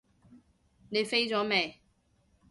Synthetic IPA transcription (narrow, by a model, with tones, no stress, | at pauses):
ne˨˧jfe˥jt͡sɔː˨˥mɛː˨